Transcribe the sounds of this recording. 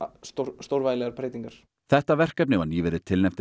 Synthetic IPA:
st̪oɾst̪owɾvaːjlɛɣaɾpʰɾejt̪iŋkaɾ̥ | θɛht̪avɛr̥kapnɪvanjiːvɛɾɪt̪ʰɪlnɛm̥t̪ɪ

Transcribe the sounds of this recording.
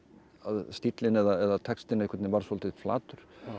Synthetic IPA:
aðst̪it̪lɪnɛðaɛðat̪ʰɛkst̪ɪnehkʰvɛt̪nɪvaɾ̥sɔlt̪ɪfla̰ːt̪ʏɾ̥

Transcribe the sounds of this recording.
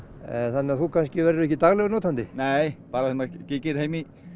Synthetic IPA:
ɛθanːɪaθukʰanscɪvɛɾðʏɛhcːɪt̪aɣlɛɣɾnoːwt̪ʰant̪ɪnɛjpaːɾaɛnakɪkɪɾhejmi

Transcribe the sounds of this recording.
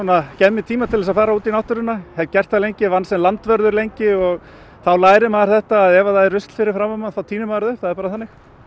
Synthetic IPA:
unacɛmːɪt̪ʰiːmat̪ʰɪlɛs̬afaːɾauːt̪inawht̪ʏɾʏnahɛvcɛr̥t̪alejɲcɪvansɛmlant̪vœɾðʏɾlejɲcɪɔɣ | θawlaːjɾɪmaːðɾθɛht̪aːðɛvaðajrʏst̪l̥fɪɾɪɾ̥fɾamamanθawt̪ʰiːnʏmaːɾðʏɾ̥θaðɛɾpaːɾaθanːɪx

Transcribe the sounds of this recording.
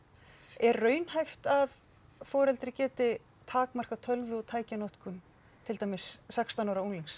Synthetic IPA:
ɛɾːœːɥnhajft̪av | fɔːɾɛlt̪ɾɪcɛːt̪ɪ | t̪ʰaːkmar̥kat̪ʰœlvɪɔt̪ʰaːjcanɔht̪kʰʏn | t̪ʰɪlt̪aːjmɪsːakst̪anawɾauŋliŋs

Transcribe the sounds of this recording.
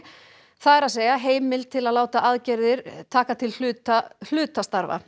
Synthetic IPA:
θaðɛɾaðseːjaɦeːjmɪlt̪ʰɪlaðlaːwt̪aʔaðcɛɾðɪɾ̥t̪ʰaːkat̪ʰɪlhʏːt̪al̥ʏːt̪ast̪aɾva̰

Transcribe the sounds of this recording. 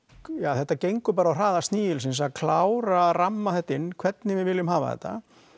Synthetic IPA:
jaːθɛht̪ːacejŋkʏpaːɾawr̥aːðast̪niːɪlsɪns̬aðkʰlawɾaːramːaθɛht̪ːɪnːkʰvɛt̪nɪvɪvɪlːʏmhaːva̰θɛ̰ht̪ːa̰

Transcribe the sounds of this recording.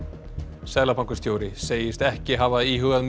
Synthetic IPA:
sɛːlapʰawŋkʏ̥st̪joːwɾɪseːjɪst̪ɛhcɪɦavaðiːɦʏɣaðm

